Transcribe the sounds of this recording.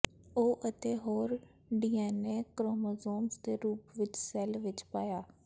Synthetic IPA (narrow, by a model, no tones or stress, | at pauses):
oːʔət̪eːɦoːɾ | ɖiːɛːneːkɾoːmoːzoːmst̪eːɾuːpʋɪt͡ʃsɛːlʋɪt͡ʃpaːjaː